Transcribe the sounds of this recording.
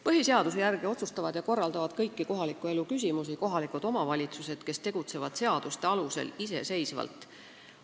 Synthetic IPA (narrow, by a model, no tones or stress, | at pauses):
pɤɦise̞ɑd̪̥usejærɡ̥io̞t̪sust̪ɑvɑd̪̥jɑko̞rːɑld̪̥ɑvɑd̪̥kɤjkːiko̞ɦɑlikːˑue̞lukys̬ʲimus̬iko̞ɦɑlikˑud̪̥o̞mɑvɑlʲit̪suse̞d̪̥ke̞st̪e̞ɡ̥ut̪se̞vɑd̪̥se̞ɑd̪̥ust̪eɑluse̞̰lise̞̰se̞jsvɑ̰lt̪ˑ